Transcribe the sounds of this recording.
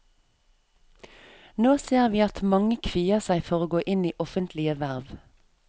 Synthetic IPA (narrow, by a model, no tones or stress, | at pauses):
noːseːʁʋiːɑt̪mɑŋəkʰʋiːəʁsæɪfɔʁoːɡoːʔɪniːʔɔfənt̪ʰlɪəʋæʁʋ